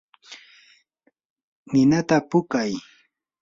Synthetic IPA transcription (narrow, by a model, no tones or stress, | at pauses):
nɪnat̪apʊkaj